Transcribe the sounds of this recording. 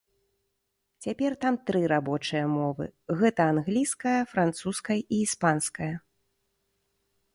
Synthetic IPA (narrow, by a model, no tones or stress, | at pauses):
t͡sʲapʲɛrt̪amt̪ɾɨɾabɔt͡ʂɨjɐmɔvɨ̰ɣɛt̪ɐanɣlʲijskɐjɐfɾant̪suskɐjɐʔiːspanskɐjɐ